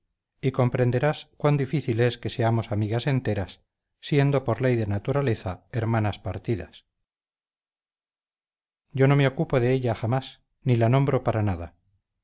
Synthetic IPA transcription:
iko̞mpɾe̞nd̪e̞ɾaskwand̪ifiθile̞ske̞se̞amo̞samiɣase̞nt̪e̞ɾasː | je̞nd̪o̞po̞ɾle̞jðe̞nat̪uɾale̞θae̞ɾmanaspaɾt̪iða̰s | ɟ͡ʝo̞no̞meo̞kupoðe̞eʎaxamas | nilanõ̞mbɾo̞paɾanaða̰

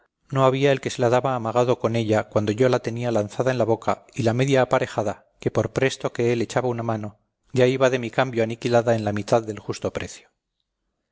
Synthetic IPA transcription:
no̞aβiae̞lke̞se̞laðaβaːmaɣ̞að̞o̞ko̞ne̞ʎakwand̪o̞ʝo̞lat̪e̞nialanθaðaenlaβo̞kailame̞ðjaːpaɾe̞xaða | ke̞po̞ɾpɾe̞st̪o̞ke̞ele̞t͡ʃaβaunamano̞ | ɟ͡ʝaiβaðe̞mikambjo̞anikilaðae̞nlamit̪aðːe̞lxust̪o̞pɾe̞θjo̥

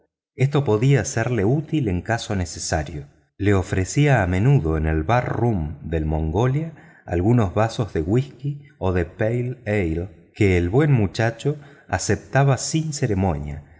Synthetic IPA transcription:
e̞st̪o̞po̞ðiaseɾle̞ut̪ileŋkaso̞ne̞sesaɾjo | le̞o̞fɾesiaːmẽ̞nuðo̞enelβarrumd̪e̞lmõ̞ŋɡolja | a̰lɣuno̞zβaso̞zðe̞ɣwiskioðepejlejl | keːlβwe̞nmut͡ʃat͡ʃo̞ | a̰sep̚t̪aβasinse̞ɾe̞mo̞nja̰

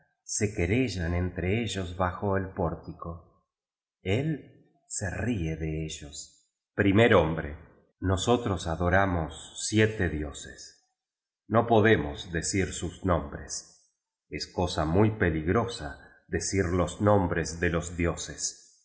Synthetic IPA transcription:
se̞keɾeʒanent̪ɾeeʒozβaxoelpoɾt̪iko | el | serieðeeʒos | pɾimeɾombɾe | no̞so̞t̪ɾosaðo̞ɾamosːjet̪eðjo̞ses | no̞po̞ðemozðesiɾsuznõmbɾes | esko̞samujpe̞liɣɾosa̰ | ðesiɾlo̞znõmbɾezðelozðjo̞ses

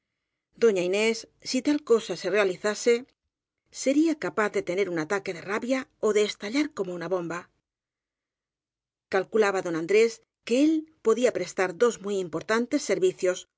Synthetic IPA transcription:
d̪o̞ɲaine̞sːit̪alko̞sase̞re̞aliθase̞ː | e̞ɾiakapaθðe̞t̪e̞ne̞ɾunat̪ake̞ðe̞raβjao̞ðe̞ːst̪aʎaɾko̞mounaβo̞mba | kalkulaβaðo̞nand̪ɾe̞s | ke̞elpo̞ðiapɾe̞st̪aɾðo̞zmujimpo̞ɾt̪ant̪e̞sːe̞ɾβiθjo̞s

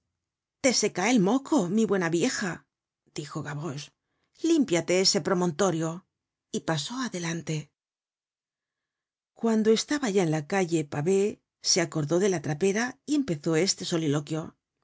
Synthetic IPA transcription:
t̪e̞se̞kaelmo̞kʰo̞miβwe̞naβje̞xa | d̪̥ixo̞ɣaβo̞s | limpjat̪e̞ese̞pɾo̞mõ̞nt̪o̞ɾjo̞ | ipaso̞aðe̞lant̪e̞ | kwand̪o̞e̞st̪aβaʝaenlakaʎe̞paβe̞ | se̞ako̞ɾðo̞ðe̞lat̪ɾape̞ɾaie̞mpe̞θo̞e̞st̪e̞so̞lilo̞kjo̞

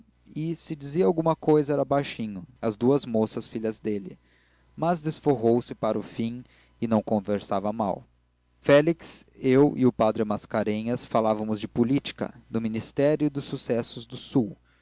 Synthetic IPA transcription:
ɪsɪd͡ʒiziɐawɡũmɐkojzɐɛɾɐbajʃĩɲʊɐzd̪uɐzmosɐsfiʎɐzd̪elɪ̰ | mɐzd̪esfoɦowsɪpaɾʊfĩ | ɪnɐ̃w̃kõveɾsavɐma̰w | fɛliksewɪ̰ʊpad̪ɾɪmaskaɾẽɲɐsfalavɐmʊzd͡ʒɪpʊlit͡ʃi̥kɐ̰d̪ʊminist̪ɛɾjʊd̪ʊsːusɛsʊzd̪ʊsuw

